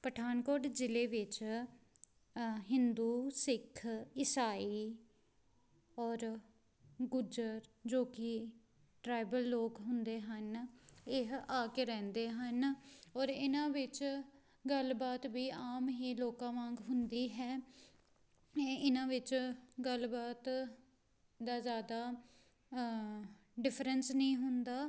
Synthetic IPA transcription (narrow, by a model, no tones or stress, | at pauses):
pəʈʰaːnkoːɖd͡ʒɪleːʋɪt͡ʃ | ɦɪnd̪uːsɪkʰːɪsaːiː | ɔːɾ | ɡʊd͡ʒəɾd͡ʒoːkɪ | ʈɾaːɪbəlːoːkɦʊnd̪eːɦənɪɦaːkeɾɛ̃ːnd̪eːɦənɔːɾɪnãːʋɪt͡ʃ | ɡəlbaːt̪ʋiːaːmɦiːloːkãːʋãːŋɡɦʊnd̪iːɦɛː | ɪnãːʋɪt͡ʃɡəlbaːt̪ | d̪aːzjaːd̪aː | ɖɪpʰɾənsnəĩːɦʊnd̪aː